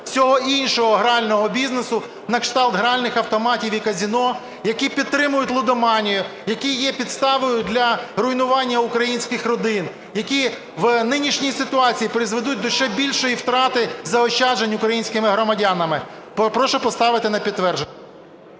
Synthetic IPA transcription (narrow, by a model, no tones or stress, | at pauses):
sʲɔɦɔinʲʃɔɦɔɦɾeɑlʲnɔɦɔbʲiznesʊ | nɐkʃt̪ɑlˠt̪ɦɾealʲnɪxɐwt̪ɔmɑtʲiʋʲikɐzʲinɔ | jɐkipʲidt̪t̪ːɾɪmʊjʊtʲlˠʊd̪ɔmɑnʲijʊjɐkʲijɛpʲid̪st̪ɑʋɔjʊd̪ʲlʲɐɾʊjnʊʋɑnʲːɐukɾɐjinʲsʲkɪxɾɔd̪ɪn | jɐkʲi | ʋnɪnʲiʃnʲijsɪt̪ʊɑt͡sʲijipɾɪzʋed̪ut̚ʲd̪ɔʃt͡ʃɛbʲilʲʃɔjiwt̪ɾɑt̪ɪzɐɔʃʲt͡ʃɑd͡ʒenʲʊkɾɐjinʲsʲkɪmɪɦɾɔmɐdʲɑnɐmɪ | ppɾɔʃɔpɔst̪ɑʋɪt̪ɪnɐpʲid̪̚tːʋɛrʒe